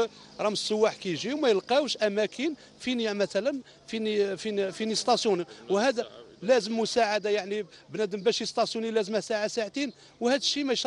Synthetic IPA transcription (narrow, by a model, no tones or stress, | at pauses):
ɾˤɑməsːəwːaħkæjʒiwmæjəlqɑwʃʔæmækʰin | finjamæt̪ælən | finifinfinist̪ˤɑsjuniwhæd̪ælæzəmːʊsaʕad̪ajaʕnibnæd̪əmbæʃist̪ˤɑsjunilæzəmæhsaʕasaʕt̪in | whæd̪əʃːimæjʃ